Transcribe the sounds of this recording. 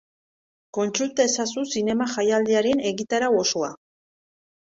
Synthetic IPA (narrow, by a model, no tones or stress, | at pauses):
ko̞nt͡sult̪aesasusine̞maxajald̪iaɾe̞ne̞ɣit̪aɾao̞so̞a